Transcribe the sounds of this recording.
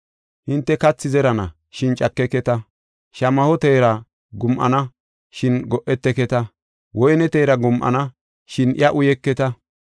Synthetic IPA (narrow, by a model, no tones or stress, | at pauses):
hɪnt̪ːɛkɐt͡sːɪzɛɾɐnɐ̰ | ʃɪnt͡ʃʼɐkːɛkɛt̪ɐ | ʃɐmɐhɔt̪eːɾɐ | ɡʊmʔɐ̰nɐ | ʃɪnɡɔʔːɛt̪ːɛkɛt̪ɐ | wɔjɛnɛt̪eːɾɐɡʊmʔɐ̰nɐ | ʃɪnɪjɐʔʊjɛkːɛt̪ɐ